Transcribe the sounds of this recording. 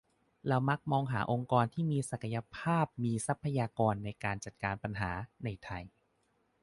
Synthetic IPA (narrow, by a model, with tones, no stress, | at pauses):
ɾa˧wma˦˥k̚mɔː˧ŋɦaː˩˦ʔo˧ŋkɔː˧nt̪ʰiː˥˩miː˧sa˨˩kʰa˧ja˧pʰaː˥˩p̚miː˧sa˦˥pʰːa˧jaː˧kɔː˧nːa˧jkaː˧nt͡ɕa˨˩t̪̚kaː˧npa˧nɦaː˩˦na˧jt̪ʰa˧j